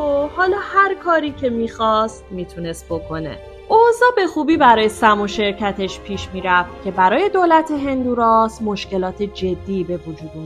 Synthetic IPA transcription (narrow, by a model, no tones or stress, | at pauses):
ohɒːlɒːhæɾkʰɒːɾiːcʰe̞miːxɒst̪̚miːt̪ʰune̞st̪̚bo̞kʰo̞ne̞̰ | ʔohzɒːbe̞xuːbiːbæɾɒːje̞sæmoʃe̞ɾcʰæt̪ʰe̞ʃpʰiːʃmiːɾæft̪̚cʲʰe̞bæɾɒːje̞d̪oːlæt̪ʰe̞ɦe̞nd̪uːɾɒːsmo̞ʃce̞lɒːt̪ʰed͡ʒe̞d̪ːiːbe̞vod͡ʒuːd̪n